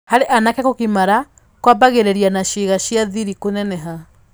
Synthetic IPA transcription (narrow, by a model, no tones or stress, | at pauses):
haɾeʔanakɛkokimaɾa | kwabaɣeɾɛɾianaɕeɣaɕjaðiɾikonɛnɛɦa